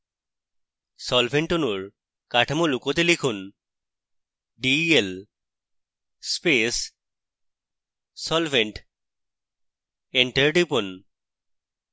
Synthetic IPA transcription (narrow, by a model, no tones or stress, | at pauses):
sɔlbʰʱeɳʈonuɹ | kaʈʰamolukot̪elikʰun | ɖiel | spes | sɔlfʰeɳʈ | eɳʈeɹɖipun